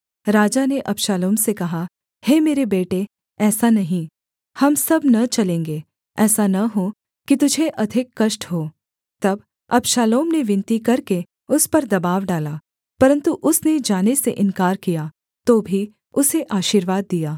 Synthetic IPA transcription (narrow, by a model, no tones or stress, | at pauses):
ɾaːd͡ʒaneʔɐpʃaːloːmsekɐɦa | heːmeːɾebeːʈe | ɛːsanɐɦĩ | hɐmsɐbnɐt͡ʃɐlẽːŋɡeː | ɛːsanɐɦo | kit̪ʊd͡ʒʱeʔɐd̪ʱɪkːɐʃʈɦoː | t̪ɐb | ɐpʃaːloːmneʋɪ̃nt̪ikɐɾke | ʊspɐɾd̪ɐbaːʋɖaːlaː | pɐɾə̃nt̪uʔʊsned͡ʒaːnesḛʔɪ̃nkaːɾkijaː | t̪oːbʱi | ʊseʔaːʃiːɾʋaːd̪̚ːijaː